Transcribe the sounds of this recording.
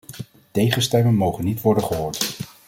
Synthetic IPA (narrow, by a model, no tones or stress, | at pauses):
tejχənstɛmənmowχənːitʋɔɹdənχəɦoːɹt